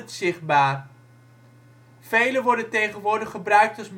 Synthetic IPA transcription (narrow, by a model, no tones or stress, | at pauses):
tsɪχbaːr | v̥ejləʋɔɹdəntejχənʋʊːɹdəχəbrœɥk̚tɑsm